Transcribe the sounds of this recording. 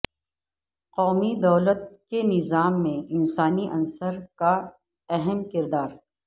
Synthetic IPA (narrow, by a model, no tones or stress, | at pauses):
qɔːmid̪ɐːlət̪̚kenɪzaːmːẽɪnsaːniʔɐ̃nsəɾka | ɛɦɛmkɪɾd̪aːɾ